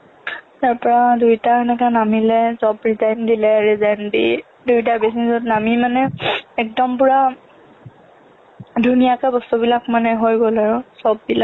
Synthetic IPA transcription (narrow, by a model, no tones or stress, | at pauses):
taɹpɔɹadujtaɛnɛkanamilɛzɔbɹizandilɛɹizandḭ | dujtabesinzɔtnamimanɛɛk̚dɔmpʊɹa | dʱunijakabɔstubilakmanɛɦojɡolaɹʊsɔbːilak̚